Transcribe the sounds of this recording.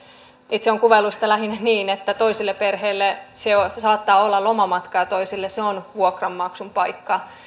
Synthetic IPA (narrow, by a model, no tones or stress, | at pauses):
it̪seoŋkuʋelːust̪ɑlæɦinæniːnet̪ːæt̪oisilːeperheːlːeseosɑːt̪ːɑːolːɑlomɑmɑt̪kɑjɑt̪oisilːeseonʋuokrɑmːɑksumpɑikːɑ